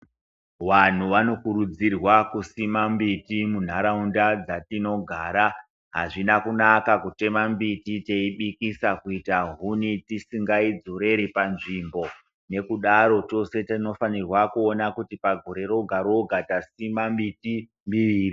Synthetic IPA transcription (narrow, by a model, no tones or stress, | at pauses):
wan̤uʋano̞kuɾud͡zirwakusimambitimun̤aɾaundad͡zatino̞ɡʱaːɾa | ɦa̰ʐinakunakakute̞mambitite̞iɓikisakuitaɦunitisiŋɡaid͡zoɾe̞ɾipanʐimbo̞ | ne̞kuɗaɾo̞t͡ʃo̞se̞tano̞fanirwakuonakutipaɡʱoɾe̞ɾo̞ɡʱaɾoɡʱatasimambiti | mbiʋiːri